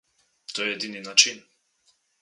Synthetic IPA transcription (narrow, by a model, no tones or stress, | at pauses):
t̪ɔjɛɛd̪ininat͡ʃin